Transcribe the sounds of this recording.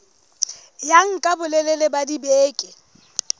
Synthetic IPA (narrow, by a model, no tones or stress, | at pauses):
jaŋ̩kʼabʊlɛlɛlebadibeːkʼɪ